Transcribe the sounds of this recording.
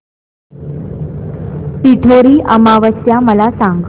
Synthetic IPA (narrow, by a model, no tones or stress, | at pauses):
ʈiʈʰoɾiːʔəmaʋəst̪jaməlasaŋɡ